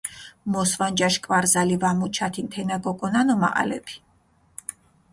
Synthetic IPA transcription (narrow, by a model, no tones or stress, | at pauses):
mɔsvand͡ʒaʃkʼvaɾzalivamut͡ʃʰat̪ʰint̪ʰɛnakʼɔkʼɔnanɔma̰ʔa̰lɛ̰pʰi̥